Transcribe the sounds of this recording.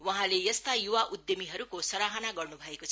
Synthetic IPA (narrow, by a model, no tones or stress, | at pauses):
waɦãlejʌst̪ajuwaʔud̪jʌmiɦʌɾukosʌɾaɦʌnaɡʌrnubʱʌekot͡sʰʌ